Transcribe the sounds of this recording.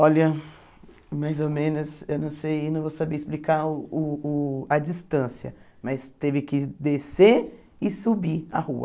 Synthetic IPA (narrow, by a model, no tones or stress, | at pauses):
ɔlɐ | majzomẽnʊsewnɐ̃w̃sejewnɐ̃w̃vowsabeɪsplikaʊʊːɐd͡ʒist̪ɐ̃siɐ̰ | mɐst̪evɪkɪd̪ese | ɪsubia̰huɐ̰